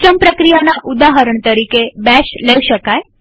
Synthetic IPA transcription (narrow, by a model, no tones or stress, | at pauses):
t͡ɕəmpɾəkɾijanaʔud̪aɦəɾəɳt̪əɾikebɛsləjʃəkaj